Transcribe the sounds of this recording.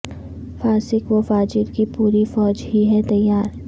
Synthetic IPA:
faːsɪkʋofaːd͡ʒɪɾkipuːɾifɔːd͡ʒɦiɦɛt̪ɐjːaːɾ

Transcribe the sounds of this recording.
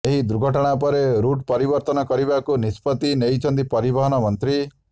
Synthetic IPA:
eɦid̪uɾɡʱɔʈɔɽ̃ap̬ɔɾeɾuʈpɔɾibɔɾt̪ɔnɔkɔɾibakunispɔt̪inejt͡ʃʰɔnd̪ipɔɾibɔɦɔnɔmɔnt̪ɾi

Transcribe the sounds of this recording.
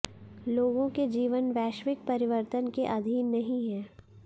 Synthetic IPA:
loːɡõked͡ʒiːʋənʋɛːʃʋɪk̚pɐɾɪʋəɾt̪ənkeʔɐd̪ʱiːnːɐɦĩɦɛː

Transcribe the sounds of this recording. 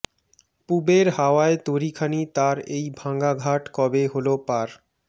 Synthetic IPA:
pubeɾɦaoaet̪oɾikʰanit̪aɾejbʱãŋɡaɡʱaʈkɔbeɦolopaɾ

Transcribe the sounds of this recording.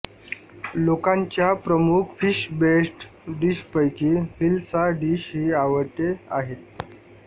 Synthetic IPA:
lokãɲt͡ɕjapɾəmukʰfiɕbesʈɖiɕpəjkifilt͡saɖiɕɦiːaʋəɾʈ̪eaɦet̪̚

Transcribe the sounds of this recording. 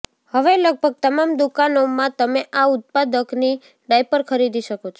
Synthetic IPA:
həʋeləɡ̚bʱəɡ̚t̪əmamd̪ukanomãt̪əmeʔaʊt̪̚pad̪əkni | ɖajpəɾkʰəɾid̪iʃəkot͡ʃʰ

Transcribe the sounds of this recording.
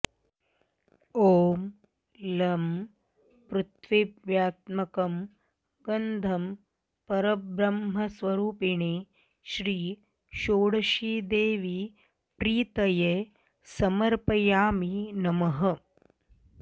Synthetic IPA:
oːm | lɐm | pɾut̪ʋiʋjaːt̪mɐkɐm | ɡɐnd̪ʱɐm | pɐɾɐbɾɐmɦɐsʋɐɾuːpiɳeː | ʃɾiː | ʃoːɽɐʃiːd̪eːʋi | pɾiːt̪ɐje | sɐmɐɾpɐjaːminɐmɐɦɐ

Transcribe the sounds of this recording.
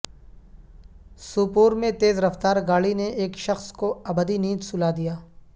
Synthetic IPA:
suːpuːɾmẽt̪eːzɾɐft̪aːɾɡaːɭineeːkʃɐxskoɐbəd̪iniːd̪sʊlaːd̪ijaː

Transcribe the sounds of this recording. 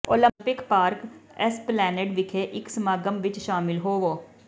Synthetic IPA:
oːlə̃mpɪkpaːɾkɛsplɛːneʈʋɪkʰeʔɪksmaːɡəmʋɪt͡ʃʃaːmɪlɦoːʋoː

